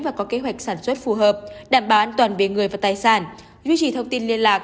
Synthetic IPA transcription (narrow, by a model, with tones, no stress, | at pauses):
vaː˨˩kɔ˨˦ke˨˦ɦwa˨˩jk̟̚saː˧˩nswə˦˥t̚fu˨˩ɦəː˨˩p̚ɗaː˧˩mɓaː˨˩ʔaː˧nt̪waː˨˩nvi˨˧˨əŋɨ˨˩əjvaː˨˩t̪aː˨˩jsaː˧˩n | zwi˧t͡ɕi˨˩t̪ʰə˧wŋ͡mt̪i˧nli˧ənlaː˨˩k̚